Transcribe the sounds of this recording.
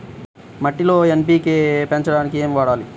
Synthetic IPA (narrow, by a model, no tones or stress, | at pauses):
mɐʈːilo̞ːemp̬iːkepeɲt͡ʃɐɽaːnikieːmʋaːɽaːli